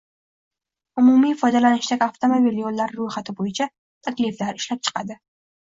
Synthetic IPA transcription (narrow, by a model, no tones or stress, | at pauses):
ʊmumifɒjd̪alanɪʃd̪akʲaft̪ʰomobiljolːaɾɾojχat̪ʰɪbojɪt͡ʃʰa | t̪ʰakʲlɪflaɾɪʃlap̚t͡ʃʰɨ̥qʰɑd̪ɪ